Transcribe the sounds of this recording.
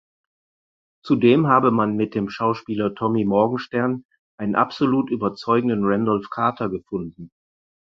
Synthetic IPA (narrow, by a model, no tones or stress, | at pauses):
t͡sudeːmɦaːbəmanmɪt̚d̥eːmʃaʊʃpiːlɐtʰɔmimɔɐɡŋ̩ʃtɛɐn | ʔaɪnənʔa̰pz̥oluːtʔyːbɐt͡sɔʏɡŋ̩dənʁɛndɔlfkʰaɐtʰɐɡəfʊndn̩